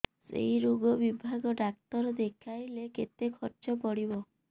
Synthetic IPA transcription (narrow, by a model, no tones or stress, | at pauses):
sḛɦiɾoɡɔbibʱaɡɔɖak̚t̪ɔɾɔd̪ekʰajleket̪ekʰɔɾt͡ʃɔpɔɽibɔ